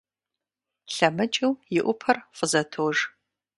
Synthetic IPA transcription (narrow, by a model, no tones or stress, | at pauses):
ɬɐmɨt͡ʃʼɨwjɪʔʷʊpʰɐrfʷʼəzɐtʰoːʒ